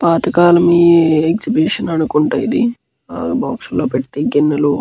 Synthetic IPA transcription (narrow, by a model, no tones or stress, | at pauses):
paːt̪ɐkaːlɐmiːekd͡ʒibiːʂɐnɐnukuɳʈɐːjid̪i | aːbaːksulːoːpeʈit̪eːɡinːɐloː